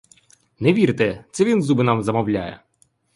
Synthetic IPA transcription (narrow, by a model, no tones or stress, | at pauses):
nɛʋʲiɾt̪ɛt̪sɛʋʲinzubɪnɑmzɐmɔwlʲajɛ̰